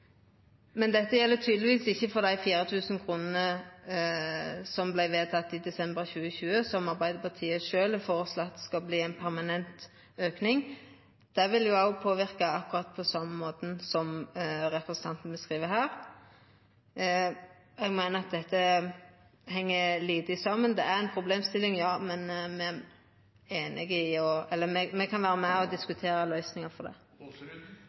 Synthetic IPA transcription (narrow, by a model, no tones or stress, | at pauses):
mɛnd̪ɛt̪ːəjɛlːət̪ʰyːd̪lɪʋiːsɪçːəfɔɾd̪æɪfiːɾət̪ʰʉːsn̩kʰʁuːnənə | sɔmblæɪʋeːt̪ʰɑt̪ːɪd̪ɛsɛmbəɾçʉːəçʉːəsɔmɑʁbæɪd̪əpɑt̪ʰiːəʃøːlɛfoːʁəsloɑt̪ːskɑlbliːɛɪnpʰæɾmɑnɛnt̪ | øːknɪŋ | d̪̥æʋɪljʊɑʊpʰoːʋɪʁkɑɑkʊɾɑt̪̚ːpʰɔsɑmːəmoːt̪n̩sɔmɾɛpɾɛsənʰɑnt̪n̩bəskɾiːʋəɾɦæːɾ | ɛɡmæɪnəɾɑt̪̚d̪ɛt̪ːə | ɦɛŋːəliːd̪ɪsɑmːənd̪ɛæɾɛnpʰɾʊbleːmst̪ɪlːɪŋjɑːmɛnmɛ | eːnɪɡɪɔɛlːəmɛmɛkʰɑnʋæːɾəmæɔd̪ɪskʉt̪ʰeːɾəlœʏsnɪŋɑfɔd̪ɛ̰ː